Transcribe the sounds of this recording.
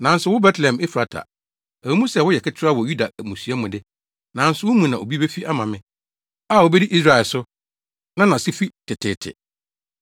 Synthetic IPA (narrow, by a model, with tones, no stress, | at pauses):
nã˨n̩˦sʊ˦wʊ˦bɛ˦tʰlɛ̃˨mɪ˦fɾa˦tʰa̰˨ | æ˨˦mũ˦sɛ˨wʊ˦jɛ˨kʰɪ˦t͡ɕʰɪ˦ɾa˦wɔ˨ju˦da˨mũ˨su˨a˦mʊ̃˨dɪ˦ | nã˨˦n̩˦sʊ˦wʊ˦mũ˨nã˨ʔo̰˨bi˦be˦fi˦ʔa˦mã˨mɪ̃˦ | a˦˨wo˨bɛ˦di˦ʔi˦s̬ɾa˨ɛ˨lsʊ˦ | nã˦nã˨sɪ˦fi˦tʰɪ˨tʰɪ̰˨tʰɪ̰˨